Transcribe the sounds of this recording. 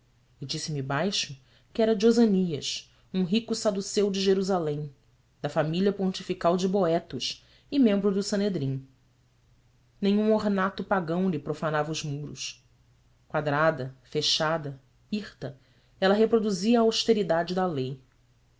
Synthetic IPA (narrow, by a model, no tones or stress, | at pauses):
ɪd͡ʒisɪmibajʃʊ | kɪɛɾɐd͡ʒozɐniɐ̰ʃ | ũɦikʊsad̪usewd͡ʒɪʒeɾuzalẽj̃ | d̪ɐfamiliɐpõt͡ʃifikawd͡ʒɪboɛt̪ʊʃ | ɪmẽmbɾʊd̪ʊsɐ̃ned̪ɾĩ | nẽj̃ũoɾnat̪ʊpaɡɐ̃w̃lɪpɾofanavɐuzmuɾʊ̰ʃ | kwad̪ɾad̪ɐfeʃad̪ɐ | iχt̪ɐ | ɛlɐɦepɾod̪uziɐːawʃt̪eɾid̪ad͡ʒɪd̪ɐlej